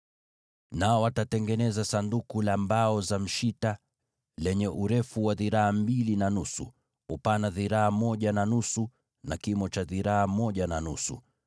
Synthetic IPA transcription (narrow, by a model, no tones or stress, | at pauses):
naɔwatatɛŋɡɛnɛzasandukulambaɔzam̩ʃita | lɛɲɛʔuɾɛfuwaðiɾaambilinanusṵ | upanaðiɾaamɔʄananusu | nakimɔt͡ʃaðiɾaamɔʄananusṵ